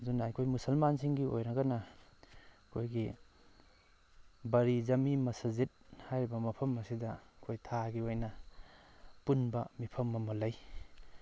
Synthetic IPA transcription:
zunaːjkʰojmusɐlmansiŋɡio̰jɾɐɡɐnɐ | kʰojɡi | bɐɾizɐmimɐsɐzit̚hajɾibɐmɐpʰɐmɐsidɐkʰojtʰaɡiojnɐ | punbɐmipʰɐmːɐmɐlɐj

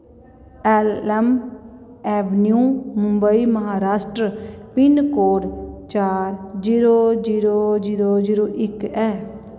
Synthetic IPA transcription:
ɛːlɛm | ɛːbnjũːmʊmbəiːməɦaːɾaːsʈɾəpɪnkoːɽt͡ʃaːɾd͡ʒiːɾoːd͡ʒiːɾoːd͡ʒiːɾoːd͡ʒiːɾoːʔɪkɛː

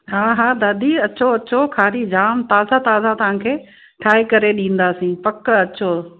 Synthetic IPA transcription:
ɦaːɦaːd̪aːd̪ʱiɐt͡ɕʰoɐt͡ɕʰokʰaːɾid͡ʑaːmt̪aːzat̪aːzat̪ɐʋ̤ãːkʰeː | ʈʰaːikɐɾeɗĩːn̆d̪aːsĩːpɐkɐt͡ɕʰo

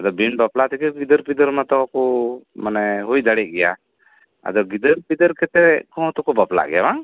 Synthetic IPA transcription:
ad̪ɔbinbaplaʔt̪ɛkɛɡid̪əɾpid̪əɾmat̪ɔkɔmanɛɦujd̪aɽiʔ̚ɡɛja̰ | a̰d̪ɔɡid̪əɾpid̪əɾkʰɛt̪ɛɛkɔ̃t̪ɔkɔbapla̰ʔɡɛjabaŋ

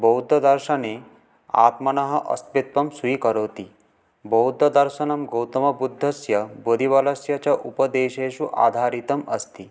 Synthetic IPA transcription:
bowd̪ʱːɐd̪ɐɾʃane | a̰ːt̪mɐnɐɦɐ̆ʔɐ̰st̪ʋit̪ʋɐmsuikɐɾoːt̪i | bɔwd̪ʱːɐd̪ɐɾʃɐnɐmɡowt̪ɐmɐbud̪ʱːɐsjɐbod̪ʱiʋɐlɐsjɐt͡ɕaʔupɐd̪eːʃeʃuʔa̰ːd̪ʱaːɾit̪ɐmɐ̰st̪i

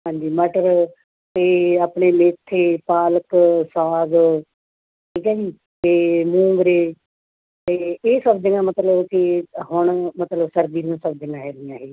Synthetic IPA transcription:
ɦãːɲd͡ʒiːməʈəɾ | t̪eːaːpɳeːmeːt̪ʰːeːpaːləksaːz | ʈʰiːkɛːd͡ʒiː | t̪eːmũːŋɡɾeː | t̪eːeːsəbd͡ʒ̪ɪ̃ŋɡãːmət̪ləbkɪɦʊɳmət̪ləbsəɾd̪iːɾãːsəb̚d͡ʒɪŋɡãːɦɛːliãːɦeː

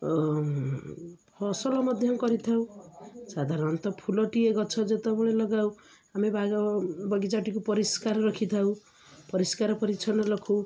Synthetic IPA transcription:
pʰʌsʌlɔmʌd̪ʱjʌŋkʌɾit̪ʰaw̃sad̪ʱaɾʌnt̪ɔpʰulʌʈieɡʌt͡sʰʌd͡zet̪ɔbɔɽelʌɡaw | hamibabaɡid͡zaʈikopʌɾiskaɾɾʌkʰit̪ʰaw | pʌɾiskaɾpʌɾit͡ʃʰʌnʌlʌkʰo

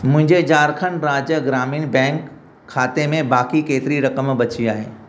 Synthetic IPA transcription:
mʊ̃ɦɪ̃ɲd͡ʑed͡ʑaːɾkʰəɳɾaːd͡ʑjəɡɾaːmiːnbɛ̃ːŋkʰː | aːt̪emẽbaːkikeːt̪ɪɾiɾɐkəmbɐt͡ɕiaːɦḛː

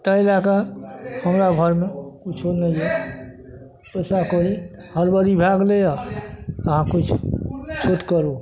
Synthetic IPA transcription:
t̪əelakahəmɾaɡʱəɾmekut͡ʃʰonəjjɛ | pəsakoɾi | həɾbəɾibʱaɡlejat̪əɦãkut͡ʃʰt͡ʃʰut̪kəɾu

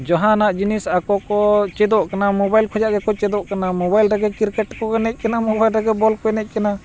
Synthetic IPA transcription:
d͡ʒɔɦanaʔd͡ʒinɛsakɔkɔt͡ʃɛd̪ɔʔkanamɔbajlkʰɔd͡ʒaʔɡɛkɔt͡ʃɛd̪ɔʔkanamɔbajlɾaɡɛkiɾkɛʈkɔɡɛnɛc̪̚kanamɔbajlɾɛɡɛbɔlkɔɛnɛc̪̚ˀkana

